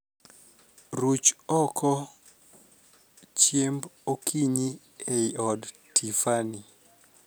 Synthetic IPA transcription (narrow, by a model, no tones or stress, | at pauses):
ɾut͡ʃɔkʰɔ | t͡ʃjembokʰiɲi | eiɔd | tʰifani